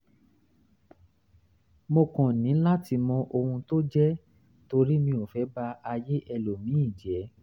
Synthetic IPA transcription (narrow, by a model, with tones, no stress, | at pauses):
mo˧kɔ̃˨nĩ˨˦la˦ti˧mɔ̃˧ʔo˧hũ˧to˦d͡ʒɛ˦ | to˧ɾi˦mĩ˧o˨fɛ˨˦ba˧a˧je˦ʔɛ˧lo˨mĩ˨˦i˦˨d͡ʒɛ˨˦